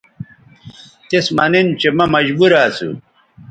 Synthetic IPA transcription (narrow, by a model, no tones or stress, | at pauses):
t̪esmɐnint͡ɕemɐmɐd͡ʑbuɾaːt͡sṵ